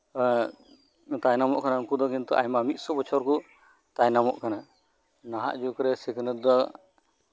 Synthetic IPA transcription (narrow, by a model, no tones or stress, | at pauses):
t̪ajnamɔʔkanankud̪ɔkint̪ɔʔa̰jmamit̪̚sɔbɔt͡ʃʰɔɾkɔ | t̪ajnamɔʔkana | naɦa̰ʔd͡ʒukɔɾɛsɛknəa